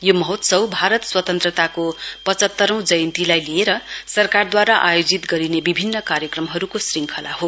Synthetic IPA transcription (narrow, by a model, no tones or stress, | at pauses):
jomʌɦot̪sʌwbʱaɾʌt̪swʌt̪ʌnt̪rʌt̪akopʌt͡sʌt̪ːʌɾʌ̃w̃d͡zʌjʌnt̪ilajlieɾʌsʌrkard̪waɾaʔajod͡zit̪ɡʌɾinebibʱinːʌkaɾjʌkrʌmɦʌɾukosriŋkʰʌla̰ɦo